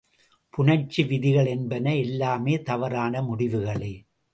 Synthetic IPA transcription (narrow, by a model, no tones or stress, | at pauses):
pʊnɐt͡ʃːiʋɪðɪɣɐɭɛnbɐnɐɛlːaːmeːt̪ɐʋɐɾaːnɐmʊɽɪʋɯɣɐɭɐɪ